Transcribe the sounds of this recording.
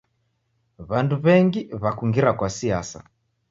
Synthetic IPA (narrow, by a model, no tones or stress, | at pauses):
βanduβɛŋɡiβakuŋɡiɾakwasiasa̰